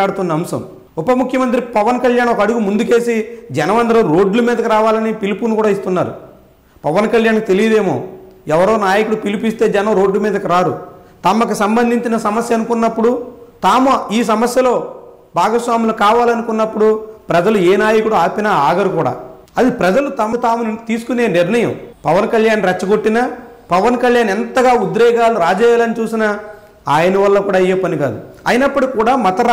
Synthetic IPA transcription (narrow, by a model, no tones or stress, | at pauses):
aːɽut̪unːɐɐmsɐ̰m | ɔpɐmukʰjɐmɐnt̪ɾipɐʋɐnkɐljaːnɔkɐɽuɡumund̪uke̞ːsid͡ʒɛnɐʋɐnd̪ɐɾɐɾo̞ːɖlɐmiːd̪ɐkiɾaːʋaːlɐnipilipunikuːɽaːist̪unːaːɾṵ | pɐʋɐnkɐljaːnkit̪e̞lijɐd̪e̞ːmo̰ːɛʋɐɾo̞ːnaːjɐkuɽupilipist̪e̞ːd͡ʒɛnɐmɾo̞ːɖlɐmiːd̪ɐkiɾaːɾṵ | t̪ɐmɐk̬usɐmbɐnd̪ʱiɲt͡ʃinɐsɐmɐsjɐɐnukunːɐpːuɽut̪aːmuiːs̬ɐmɐsjɐlo̞ː | bʱaːɡɐsʋaːmilɐkaːʋaːlɐnukunːɐpːuɽupɾɐd͡ʒɐlueːnaːjɐkuɽuaːpinɐaːɡɐɾukuːɽa̰ː | ɐd̪ipɾɐd͡ʒɐlut̪ɐmɐt̪aːmunt̪iːsu̥kune̞ːniɾnɐjɐmpɐʋɐnkɐljaːnɾɛt͡ʃːɐɡo̞ʈːinɐ | pɐʋɐnkɐljaːnɛnt̪ɐɡaːud̪ɾɛːɡaːluɾaːd͡ʒɛːjaːlɐnit͡ʃuːsinɐ | aːjɐnɐʋɐlːɐkuːɽaːɐjːeːpɐniɡa̰ːd̪uɐ̰jinɐpːɐɽikuːɽaːmɐt̪ɐ